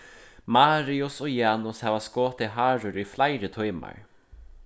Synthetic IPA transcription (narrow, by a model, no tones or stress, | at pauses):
maːɾiʊsɔːjaːnʊshaːvaskoːt̪ɪɦaːɾʊɾʏflajɾət̪ʰɔjma̰ɹ